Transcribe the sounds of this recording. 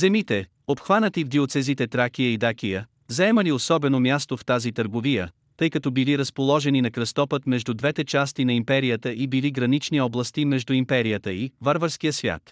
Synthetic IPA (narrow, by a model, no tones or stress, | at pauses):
zɛmit̪ɛ | opxvanət̪ivd̪iot̪sɛzit̪ɛt̪ɾak̟ijəid̪akijə | zɐɛməliosɔbɛnomʲjast̪oft̪azit̪əɾɡovijə | t̪ɤjkɐt̪ɔbiliɾɐspolˠɔʒɛninɐkɾɐst̪ɔpət̪mɛʒd̪ud̪vɛt̪ɛt͡ʃast̪inɐimpɛɾijət̪əʔibiliɡɾɐnit͡ʃniɔblˠɐst̪imɛʒd̪uimpɛɾijət̪əivaɾvəɾsk̟ijəsvʲja̰t̪